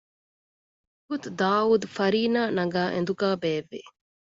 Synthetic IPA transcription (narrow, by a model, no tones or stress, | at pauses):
ɡut̪ud̪aːuːd̪ufɐɾiːnaːnɐɡaːʔend̪uɡaːbeːʋːḛ